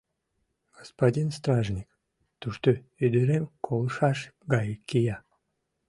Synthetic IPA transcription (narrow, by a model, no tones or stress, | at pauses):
ɡ̥ospadʲinst̪raʒnʲik | t̪uʃt̪o | yd̪əɾemkʰolˠʃɑʃɡɑjəkʲːijɑ